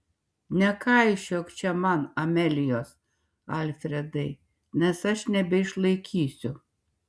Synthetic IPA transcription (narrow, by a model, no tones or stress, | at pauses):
nʲɛkɐɪʃʲoːkt͡ʃʲɛmɐnɐmʲɛlʲɪjoːs | ɐlʲfʲɾʲɛd̪ɐɪ | nʲɛsɐʃnʲɛbʲɛɪʃlˠɐɪkʲʰiːsʲʊ